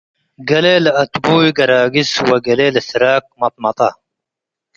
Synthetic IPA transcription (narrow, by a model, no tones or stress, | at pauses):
ɡɐleːlɐt̪buːjɡɐɾaːɡiswɐɡɐleːlsiɾaːk̚mɐp̚mɐt̪ɑ